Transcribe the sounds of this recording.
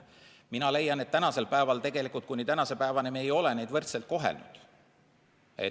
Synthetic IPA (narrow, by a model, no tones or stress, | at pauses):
minɑle̞jːɑne̞t̪ːænɑse̞lpæevɑlt̪e̞ɡ̥e̞likˑult̪kujnit̪ænɑse̞pæevɑnemeːjo̞lene̞jd̪vɤrt̪se̞lt̪̚ko̞ɦḛlnud̪̥ | ḛ